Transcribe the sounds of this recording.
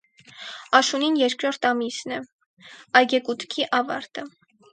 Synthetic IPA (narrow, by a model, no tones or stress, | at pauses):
ɑʃuninjɛɾkɾɔɾt̪ʰɑmisnɛ | ɑjɡɛkut̪kʰiʔɑvɑ̰ɾt̪ə